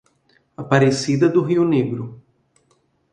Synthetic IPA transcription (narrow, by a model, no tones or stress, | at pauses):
apaɾesid̪ɐd̪ʊɦiʊneɡɾʊ